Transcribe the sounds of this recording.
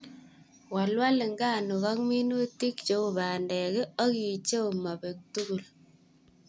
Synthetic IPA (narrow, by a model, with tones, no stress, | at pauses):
wa˨lwa˦lɪ˨ŋɡaː˦˨nu˨ɣa˦k̚mi˦nu˦ti˦kt͡ʃe˦u˨baː˨ndɛ˨kɪ˦ɔ˦ki˨t͡ʃe˦u˨ma˨be˨k̚tu˦ɣu˨l